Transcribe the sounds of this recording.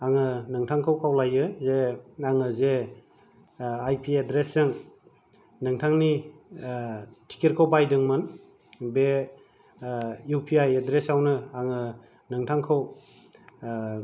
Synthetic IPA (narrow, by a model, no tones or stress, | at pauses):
aŋɯnɯŋtʰaŋkʰawkʰawlajɯzeaŋɯze | ajpʰiedɾesːɯŋ | nɯŋtʰaŋni | tʰi̥kiɾkʰowbajdɯŋmɯn | be | jupʰiajedɾesawnɯaŋɯ | nɯŋtʰaŋkʰɯw